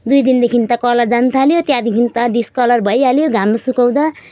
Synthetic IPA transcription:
d̪ujd̪ind̪ekʰint̪ʌkʌlʌrd͡zant̪ʰaljot̪jãd̪ekʰint̪ʌɖiskʌlʌrbʱʌjaljoɡʱamːasukʌw̃d̪ʌ

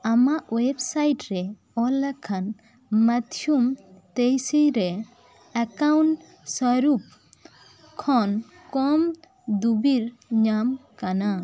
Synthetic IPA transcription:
amaʔwebsajʈɾɛ | ɔlakʰan | mat̪ʰjumt̪ejsiɾɛ | akawnʈ | sɔɾup̚ | kʰːɔn | kɔm | d̪ubiɾɲamkana

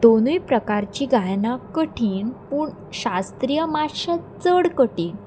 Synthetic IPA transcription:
d̪onujpɾəkaɾt͡ɕiːɡajnãkəʈʰiːnpuːɳ | ɕast̪ɾijəmaɕat͡səɽkəʈiːn

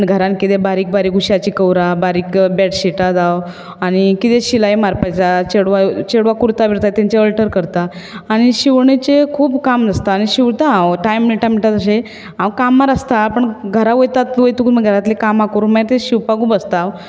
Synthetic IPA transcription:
əɳɡʱəɾãnkit̪ebaɾiːk̚baɾiːkɡuɕjat͡ɕikəwɾabaɾiːkbɛʈɕiʈad͡zaw | aɽ̃ikit̪eɕilajmaɾpajt͡sat͡ɕeɽʋat͡ɕeɽʋakuɾt̪abiɾt̪at̪ãɲt͡ɕeəlʈəɾkəɾt̪aː | ɽ̃iɕiʋɳet͡ɕekʰuːbkamd͡zast̪aːɽ̃iɕiʋt̪aãwʈajmːniʈamiʈat̪əɕe | ãwkamːaɾast̪apəɳɡʱəɾaʋojt̪at̪ʋojt̪ukːməɡʱəɾat̪lekamakuɾuməjt̪eɕiʋpaɡubəst̪aw

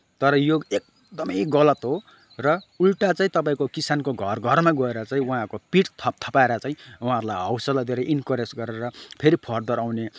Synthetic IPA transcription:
t̪ʌɾʌjoek̚ | d̪ʌmʌjɡʌlʌt̪ɦo | rʌulʈat͡saĩt̪ʌp̬aĩkokisankoɡʱʌrɡʱʌrmaɡʌeɾʌt͡saĩuɦãkopiʈt̪ʰʌp̚t̪ʰʌpaeɾʌt͡saĩuɦãʌɾulajɦʌwsʌlad̪ʱeɾeʔinkʌɾesɡʌɾeɾʌpʰeɾipʰʌrd̪ʌɾawne

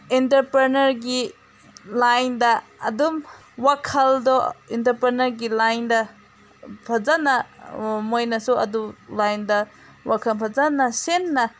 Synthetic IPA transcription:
intɐɾpɾenɐɾɡi | lajndɐɐdum | wakʰɐldɔintɐɾpɾenɐɾɡilajndɐ | pʰɐzanɐmojnɐsuɐ̰dulajndɐ | wakʰɐmpʰɐzanɐsenːɐ

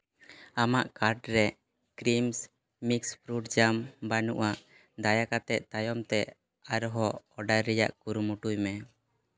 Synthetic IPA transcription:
amaʔkaɾɖɾɛ | kɾims | mikspɾuʈd͡ʒambanṵʔaʔ | d̪ajakat̪ɛʔ̚t̪ajɔmt̪ɛ | aɾɔɦɔːɖajɾɛja̰ʔkuɾumuʈujmɛ

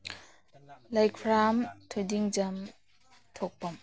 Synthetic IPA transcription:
lajkʰɾamtʰojdiŋd͡ʒam | t̪ʰok̚pam

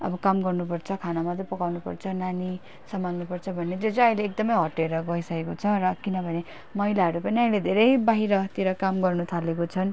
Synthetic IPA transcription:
ʌ̰bʌkamɡʌrnupʌrt͡sʰʌkʰanamʌt̪rʌpʌkawnupʌ̰rt͡sʰʌnani | sʌmaŋnupʌrt͡sʰʌbʱʌned͡zot͡sʌʌĩleːk̚d̪ʌmʌjɦʌʈeɾʌɡʌisʌkekot͡sʰʌɾʌkinʌbʱʌne | mʌilaɦʌɾupʌniʌĩled̪ʱeɾʌjbaɦiɾʌt̪iɾʌkamɡʌrnut̪ʰalekot͡sʰʌn

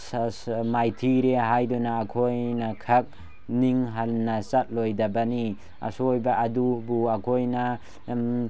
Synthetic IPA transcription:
majtʰiɾeɦajdɔnaːkʰojnakʰak̚ | niŋɦanːat͡ʃat̚lojdabani | a̰sojbaʔɐdubuakʰojna

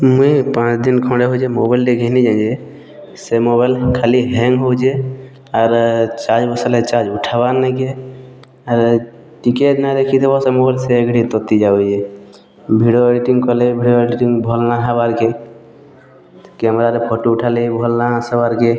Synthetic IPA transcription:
mupãt͡ʃd̪inkʰɔ̃ɽeɦod͡ʒemobajlʈeɡʱənid͡ʒãd͡ʒe | semobajlkʰaliɦeŋɡɦowd͡ʒe | aɾt͡ʃad͡ʒbəsəlet͡ʃad͡ʒuʈʰabanːɛke | aɾ | ʈiketnad̪ekʰit̪ʰebasemobalseəɡɽit̪ɔt̪id͡ʒaɛd͡ʒe | bʱiɖoeɖiʈiŋkɔlebʱiɽjoeɖiʈĩŋbʱɔlnaɦabaɾke | kɛmɾaɾepʰɔʈuuʈʰalibʱɔlnasəbaɾke

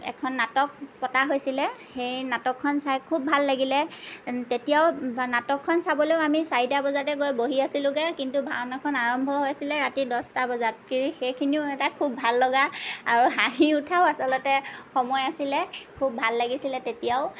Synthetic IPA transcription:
ɛ̰kʰɔnːatɔk̚pɔtaɦojsilɛxejnatɔkʰːɔnsajkʰubʱalːaɡilɛtetijaʊnatɔkʰːɔnsabɔloʊamisaidabɔzatɛkojboɦiasilʊ̃ɡɛkintubʱaɹɔnakʰɔnaɹɔmbʱɔɦojsilɛɹatidɔstabɔzat̚kiɹixejkʰiniʊɛtakʰubʱalːɔɡaaɹuɦaɦiutʰaʊasɔlɔtɛxɔmɔjasilɛkʰubʱalːaɡisilɛtetijaʊ

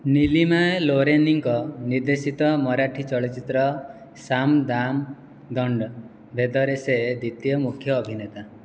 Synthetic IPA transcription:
nilimaeloɾeniŋkɔniɾd̪esit̪ɔmɔɾaʈʰit͡ʃɔɭɔt͡ʃit̪ɾɔ | samd̪am | d̪ɔɳɖ | bʱed̪ɔɾeseed̪it̪jɔmukʰjɔːbʱinet̪a

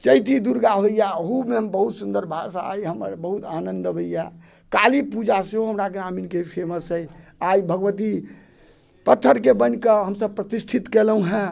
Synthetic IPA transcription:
t͡ʃəjt̪id̪uɾɡaɦojjaoɦumembəɦut̪sund̪əɾbʱasaa̰jɦəmə̰ɾbəɦut̪anənd̪əbəjja | kalipud͡ʒaseɦoɦəmɾak̬eaminkepʰeməsəjajbʱəɡʋət̪̬i | pət̪ʰːəɾkebənkəɦəmsəb̚pɾət̪isʈ̪ʰit̪kelɦũɦɛ̃

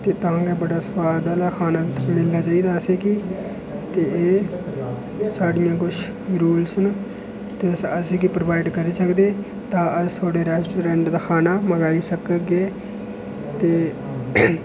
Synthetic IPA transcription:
t̪eːt̪əãːɡeːbəɽaːsə̥paːd̪aːlaːkʰaːnaːmɪlːaːt͡ʃaːiːd̪aːəseːkiː | t̪eːeː | saːɖɪjãːkʊt͡ʃʰː | ɾuːlsən | t̪eːəsəseːkiːpɾoʋaːɪɖkəɾiːsəkd̪eː | t̪ãːəst̪ʰaːɽeːɾɛːsʈoːɾɛ̃ːɳʈd̪aːkʰaːnaːməɡaːiːsəkəɡeː | t̪eː

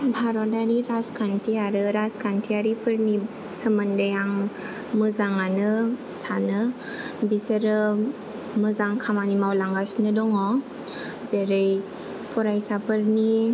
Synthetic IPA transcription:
bʱaɾɔtaɾiɾaskʰantʰiaɾɯɾaskʰantʰiaɾipʰɯɾni | səməndajaŋ | mɯzaŋanɯ | sanɯ | bisəɾɯ | mɯzaŋkʰamanimawlaŋɡasnɯdɔŋɔ | zeɾɯj | pʰɔɾajsapɯɾni

